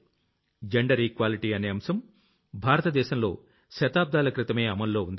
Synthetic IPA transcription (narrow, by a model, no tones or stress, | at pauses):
d͡ʒeɳɖɐɾiːkʋaːliʈiːɐneːɐmsɐm | bʱaːɾɐt̪ɐd̪ɛːʃɐmlo̞ː | ʃɐt̪aːb̚d̪aːlɐkɾit̪ɐme̞ːɐmɐlːo̞ːund̪i